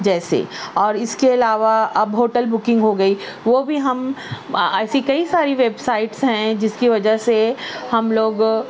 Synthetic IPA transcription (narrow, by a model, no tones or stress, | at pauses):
d͡ʒɛːsḛɔːɾɪskeɐlaːʋaɐbɦoːʈəlbʊkɪ̃ŋɡɦoɡɐi | ʋoːbʱiɦɐm | ɛːsikɐisaːɾiʋeːbsaːɪʈsɦɛ̃d͡ʒɪskiʋɐd͡ʒəsehɐmloːɡ